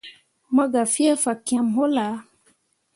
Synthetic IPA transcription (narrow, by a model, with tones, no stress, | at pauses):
ma˦ɡa˨fi˦ɛ˦fa˨kĩ˨ã˨mɦo˦la˨˦